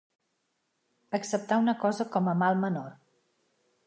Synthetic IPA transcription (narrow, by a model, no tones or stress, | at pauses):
əksəp̚t̪aunəkɔzəkɔməmalˠmənor